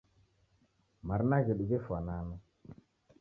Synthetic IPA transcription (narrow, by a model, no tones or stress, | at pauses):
maɾnaɡeɗuɡefanana